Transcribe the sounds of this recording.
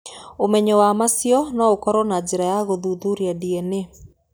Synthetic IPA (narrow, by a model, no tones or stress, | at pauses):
omɛɲɛwamasjɔnɔokɔɾɔnad͡ʑeɾajaɣoðuðuɾiadiɛne